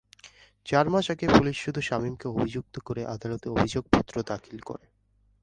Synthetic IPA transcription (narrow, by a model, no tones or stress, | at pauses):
t͡ɕaɾmaʃɛɡepuliʃʃud̪ʱuʃamimkeobʱid͡ʑuk̚t̪okoɾeʔad̪alot̪eɾobʱid͡ʑoɡ̚pɔt̪ːɾod̪akʰilko̰ɾe